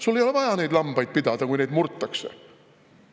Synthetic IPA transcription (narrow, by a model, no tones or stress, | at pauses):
sulːejolvɑjɑne̞jd̪lɑmb̥ɑjd̪̚pid̪̥ɑd̪̥ɑkujne̞jd̪murt̪ˑːɑksḛ